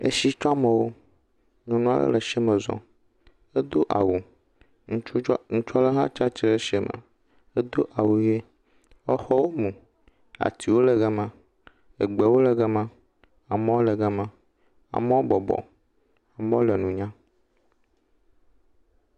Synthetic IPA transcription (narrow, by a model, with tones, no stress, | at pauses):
ḛ˦ʃi˦t͡ʃɔ˦a˦mə˨wo˦ | ɲɔ̃˨nũ˦a̰˦lə̰˦lə˨ʃɛ˦mə̃˨zɔ̰̃˨ | ə˦d̪o˦ʔa̰˨wu˨ | ŋũ˦t͡ʃu˦ŋũ˦t͡ʃɔ˦lə˦ɦa̰˦t͡ʃa˦t͡ʃe˦lə˦ʃɛ˦mə̰˨ | e˦d̪o˦ʔa˨wu˨je˦ | ɔ˦xɔ˦wo˦mũ˨ | a̰˨t̪i˨wo˦lə˨ɡɛ˦mã˨ | e˨ɡ͡be˨wo˦lə˨ɡə˦mã˦ | a˨me˦wo˦lə˨ɡə˦mã˦ | a̰˨mə˦o˦bɔ˨bɔ̰˨ | a˨mẽ˦wo˦lə˨nũ˨ɲã˦